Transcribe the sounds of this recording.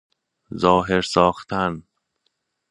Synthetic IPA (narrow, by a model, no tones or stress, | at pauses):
zɒːɦeɾsɒːxt̪ʰæn